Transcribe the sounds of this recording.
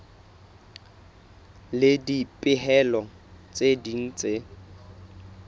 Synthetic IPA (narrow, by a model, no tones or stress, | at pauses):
lɪdipʼɪɦɛlɔ | t͡sʼedin̩t͡sʼe